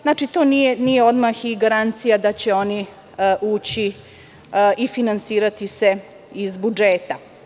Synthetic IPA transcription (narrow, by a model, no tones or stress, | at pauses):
znaːt͡ʃit̪o̞ːnijenijeo̞d̪maxiɡaɾant̪sijad̪at͡ɕe̞o̞ni | ʔuːt͡ɕi | ifinansiːɾat̪ise | izbud͡ʒeːt̪a